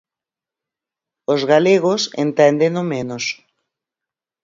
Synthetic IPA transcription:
ozɣaleɣ̞osḛnt̪ɛnd̪enomenos

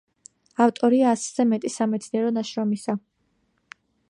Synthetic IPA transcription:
aft̪ʼɔɾiaːsz̥ɛmɛt̪ʼisamɛt̪sʰniɛɾɔnaʃɾɔmisa

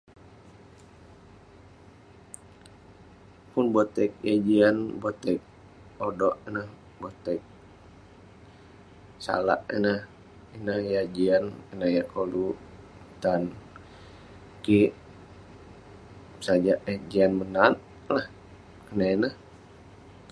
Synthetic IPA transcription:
punbot̪ɛk̚jad͡ʒianbot̪ɛk̚ | odɔʔənəh | bot̪ɛk̚ | sa̰la̰ʔinəh | inəhjad͡ʒianinəhjakolu | t̪an | kiʔ | sad͡ʒaʔəd͡ʒianmənat̪̚ | lah | kənainəh

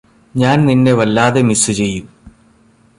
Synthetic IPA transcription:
ɲaːnninːe̞ʋɐlːaːðe̞misɨt͡ɕe̞jːum

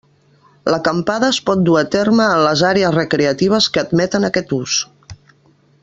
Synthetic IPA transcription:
ləkəmpaðəːspɔt̪̚d̪uat̪erməːmləzaɾeəzrəkɾeət̪iβ̞əskəːd̪mɛt̪ənəkɛt̪us

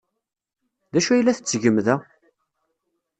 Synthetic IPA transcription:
ðæʃuæjlːæθə̥t͡sːʝəmːðæ

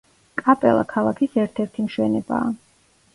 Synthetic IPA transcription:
kʼapʼɛlˠa̰kʰalˠakʰisɛɾt̪ʰɛɾt̪ʰimʃwɛnɛba̰ː

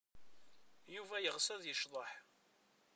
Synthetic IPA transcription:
juvæjəʁsæðjəʃðˤəħ

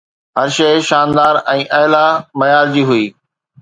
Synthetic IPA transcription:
ɦɐɾʃɐɪʃaːnd̪aːɾɛ̃ːʔɐɦlamɐjaːɾd͡ʑiːɦʊiː

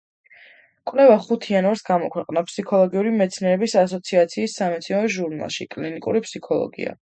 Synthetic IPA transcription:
kʼwvlɛvaχut̪ʰianvaɾsɡamɔkʰwɛqʼnapʰsikʰɔlˠɔɡiuɾimɛt̪sʰniɛɾɛbisas̬ɔt̪sʰiat̪sʰiːsːamɛt̪sʰiɛɛʒuɾna̰lˠʃikʼlinikʼṵɾipʰsikʰɔlˠɔ̰ɡḭa̰

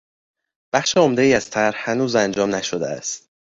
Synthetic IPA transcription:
b̥æχʃeo̞md̪eiːæz̥t̪ʰæɾhhænuːzænd͡ʒɒːmnæʃod̪ḛæ̰st̪

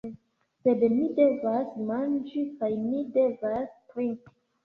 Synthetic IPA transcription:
sedmidevasmãnd͡ʒikajnidevaspɾĩŋk

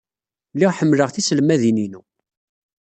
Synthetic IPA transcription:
lːiʁħəmːləʁθislmæðininu

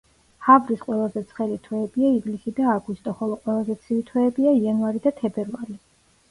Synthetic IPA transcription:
havɾisqʼwɛlˠazɛt̪sʰχɛlit̪ʰwɛːbiaivlisid̪aːɡust̪ʼɔχɔlˠɔqʼwɛlˠazɛt̪sʰivit̪ʰwɛːbiaianvaɾid̪at̪ʰɛbɛɾvali

